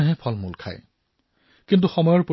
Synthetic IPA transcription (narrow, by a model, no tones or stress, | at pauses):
ɦɛpʰɔlmulkʰa̰j | kint̬uxɔmɔjɔɹpo